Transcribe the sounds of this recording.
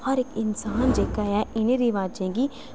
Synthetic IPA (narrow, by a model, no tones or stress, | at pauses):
hɐɾekɪnsaːnd͡ʒeːkajaɪneɾiʋaːd͡ʒẽːɡi